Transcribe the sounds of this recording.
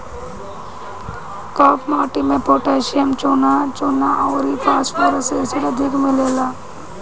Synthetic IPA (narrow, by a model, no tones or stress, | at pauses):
kɔːpʰmaːʈimẽpoːʈeːʃɪjəmt͡ʃoːnat͡ʃoːnaʔɔːɾipaːsmoɾseːsɪʈɐd̪ʱɪkmeleːlaː